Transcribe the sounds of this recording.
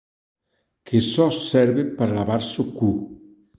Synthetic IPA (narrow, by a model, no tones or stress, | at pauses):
kʰesɔsːɛɾβepəɾalaβaɾsoku